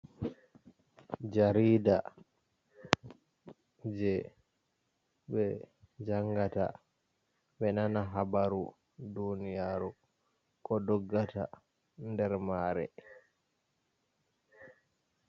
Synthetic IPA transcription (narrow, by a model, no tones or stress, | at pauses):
d͡ʒaɾiːda | d͡ʒɛ | bɛ | d͡ʒaŋɡata̰ | ɓɛnanaɦabaɾu | dunijaːɾu | kɔdɔɡːata̰ | ndɛɾmaːɾɛ̰